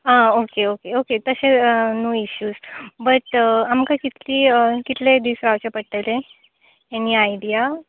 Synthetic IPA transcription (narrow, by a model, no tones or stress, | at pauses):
ãokeokeoket̪əɕenoːiɕjuːd͡zbəʈamkakit̪liːəkit̪led̪iːsɾaʋt͡ɕapəɽʈ̪əlẽ | eniajɖija